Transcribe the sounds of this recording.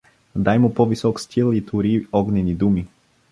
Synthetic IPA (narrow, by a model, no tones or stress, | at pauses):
d̪ajmupɔvisɔkst̪ʰʲilˠit̪ʰuɾiɔɡnɛnid̪umi